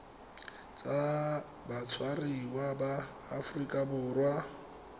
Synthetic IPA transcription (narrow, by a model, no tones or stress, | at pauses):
t͡sʼa | bat͡sʰwariwabaː | fʊrikʼabʊːrwa